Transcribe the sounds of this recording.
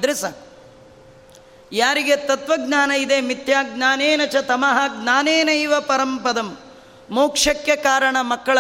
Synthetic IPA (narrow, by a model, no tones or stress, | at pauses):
d̪ɾisɐ | jaːɾiɡet̪ɐt̪ʋɐɡɲaːnɐid̪emit̪jaːɡnaːneːnɐt͡ʃɐt̪ɐmɐɦɐɡnaːneːnɐjʋɐpɐɾɐmpɐd̪ɐmː | oːkʂɐkjɐkaːɾɐɳɐmɐkːɐɭɐ